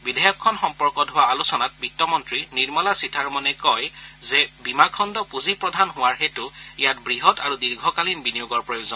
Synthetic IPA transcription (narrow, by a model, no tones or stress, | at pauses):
bidʱɛjɔkʰːɔnxɔmpɔɹkɔtɦʊaːlusɔnat̚bitːɔmɔntɹiniɹmɔlasitʰaɹmɔnɛkɔjzɛbimakʰɔndɔpuzipɹɔdʱanɦʊwaɹxetʊijatbɹiɦɔtaɹudiɹɡʱɔkalinbinijuɡɔɹpɹɔjuzɔn